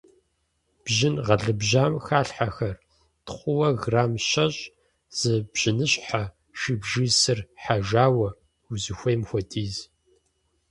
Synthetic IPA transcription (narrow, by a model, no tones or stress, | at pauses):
b̥ʒɪnʁɐɮɨbʒaːmxaːɬħaxɐr | tχʷʊwɐɣraːmʃɐɕ | z̥ɨbʑ̥ɪnɨɕʼħa | ʃibʒisɨrħaʒaːwɐ | uzɨxʷejmxʷɔtʰʼiːz